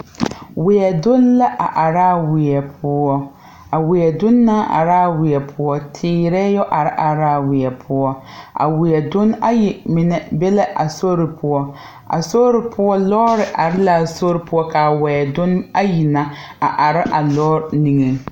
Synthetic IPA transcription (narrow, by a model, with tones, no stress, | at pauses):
wɪ˨ɛ˨dʊ˦nla˦ʔa˨ʔa˨ɾa˦˨wɪ˨ɛ˨pʰʊ˦ɔ˦ | a˨wɪ˨ɛ˨dʊ˦nːa˦ʔa̰˨ɾa˦˨wɪ˨ɛ˨pʰʊ˦ɔ˦tʰɪː˦ɾɛ˦jɔ˦ʔa˨ɾɪ˦ʔa˨ɾa˦˨wɪ˨ɛ˨pʰʊ˦ɔ˦ | a̰˨wɪ˨ɛ˨dʊ˦na˦jɪ˨mɪ˨nɛ˦bɛ˦la˦ʔa˨so˦ɾɪ˨pʰʊ˦ɔ˦ | ʔa̰˨so˦ɾɪ˨pʰʊ˦ɔ˦lɔː˦ɾɪ˨ʔa˨ɾɪ˦la˨so˦ɾɪ˦pʊ˦ɔ˦ka˨wɛ˨dʊ˦na˦ji˨na˦a̰˨ʔa˨ɾɪ˦ʔa˨lɔː˦ɾni˨ŋɛ˨